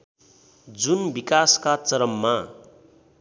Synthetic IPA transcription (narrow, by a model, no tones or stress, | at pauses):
d͡zunbikaskat͡sʌɾʌmːa